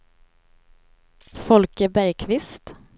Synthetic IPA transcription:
fɔlkəbæɾjkʰvɪst̪

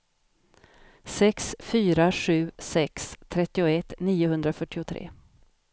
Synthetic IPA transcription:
sɛksfyːɾaɧʉ̟ːsɛkst̪ʰɾɛt̪ːɪʊɛt̪ːniːʊɦɵnd̪ɾafœʈːɪʊt̪ʰɾḛː

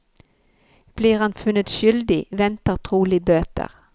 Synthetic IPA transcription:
b̥liːʁhanfʉnːət̪ʃʏld̪ɪvɛnt̪əʁt̪ʰʁuːlɪbøːt̪ə̰ʁ

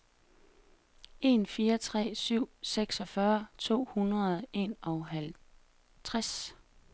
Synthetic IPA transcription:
e̝nfiːɐt͡sʰʁɛ̰ːsyʊ̰seɡ̥sɒ̽fɶːɐt͡sʰo̝̰ːhunʁɐð̩ˠe̝̰nɒ̽ɦæl | t͡sʰʁas

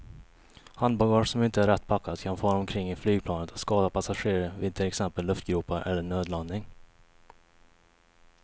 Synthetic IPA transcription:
hand̪balɡɑːʂsɔmɪnt̪əæɾːɛt̪ːpʰakːad̪kʰanfoːɔnːɔmkʰɾɪŋːɪflyːɡ̚pʰlɑːnət̪ḁskɑːd̪apʰasaɧeːɾəɾvɪd̪̚t̪ʰɪlɛksɛmpəlːɵft̪ɡɾuːpaɾʔɛ̰lːəɳøːd̪lanɪŋ

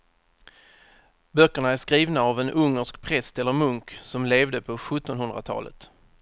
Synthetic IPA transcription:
bœkːəɳaæʂkɾiːvnaːvɛnʔɵŋːəʂkpʰɾɛst̪ɛlːəɾmɵŋksɔmleːvd̪əpʰɔɧɵt̪ːɔnɦɵnd̪ɾa̰t̪ʰɑ̰ːlə̰t̪

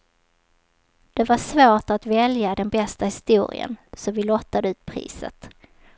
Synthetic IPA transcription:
d̪̥ɛvaʂvoːʈat̪vɛljad̪ɛnbɛst̪ahɪst̪uːɾɪ̰ə̰nsɔvɪlɔt̪ːad̪əʉ̟ːt̪̚pʰɾḭːsə̰t̪

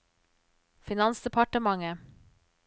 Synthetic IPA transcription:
fɪnɑnsd̪ɛpʰɑʈəmɑŋə

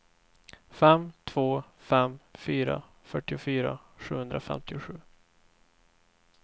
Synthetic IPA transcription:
fɛmːt̪ʰvoːfɛmfyːɾa̰ | fœʈːɪʊfyːɾa̰ɧʉ̟ːhɵnd̪ɾafɛ̰mt̪ɪʊɧʉ̟ː

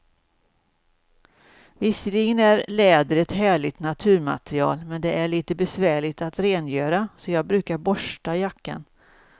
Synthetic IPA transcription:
vɪsəlɪɡənæɾlɛːd̪əɾɛt̪ɦæːɭɪt̪nat̪ʰʉ̟ːɾma̰t̪ɾɪɑ̰ːlmɛnd̪ɛʔæɭiːt̪əbɛsvæːɭɪt̪at̪ɾeːnjøːɾasɔjɑːɡ̚bɾʉ̟ːkaɾbɔʂʈajakːa̰n

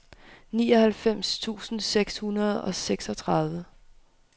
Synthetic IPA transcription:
niːɒ̽hælfem̰st͡sʰṵːsn̩seɡ̥shunɐð̞ˠɒ̽seɡ̥sɒ̽t͡sʰʁɑðˠʋə

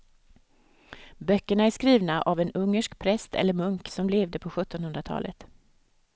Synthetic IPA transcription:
bœkːəɳaæʂkɾiːvnaʔavɛnɵŋːəʂkpʰɾɛst̪ɛ̰lːəɾmɵŋksɔmleːvd̪əpʰɔɧɵt̪ːɔnhɵnd̪ɾat̪ʰɑ̰ːlʔə̰t̪

